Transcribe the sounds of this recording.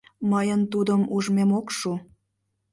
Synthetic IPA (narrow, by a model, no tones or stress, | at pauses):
məjənt̪ud̪əmuʒmemokʃu